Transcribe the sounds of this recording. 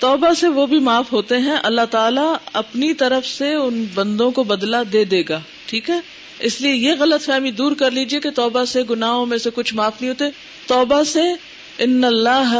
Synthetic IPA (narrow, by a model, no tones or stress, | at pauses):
t̪ɔːbaseʋobʱimaːfɦoːt̪eɦɛ̃ʔɐlːaɦt̪aːlaɐpnit̪ɐɾəfseʊnbɐ̃nd̪õkobɐd̪lad̪eːd̪eːɡaː | ʈʰiːkɦɛː | ɪsliejeɣɐlət̪fɛːmid̪uːɾkɐɾliːd͡ʒieket̪ɔːbaseɡʊnaːɦõmẽsekʊt͡ʃʰmaːfnɐɦĩɦoːt̪eɛ | t̪ɔːbase | ɪnːɐlːaːɦ